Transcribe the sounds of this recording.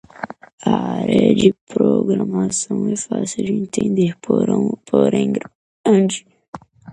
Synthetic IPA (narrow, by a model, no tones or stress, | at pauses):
aaɾɛɐd͡ʒɪpɾoɡɾamasɐ̃w̃ɛfasɪd͡ʒɪẽnt̪ʰẽnd̪eɾɾpʰoɾẽɡɾ | ɐ̃nd͡ʒi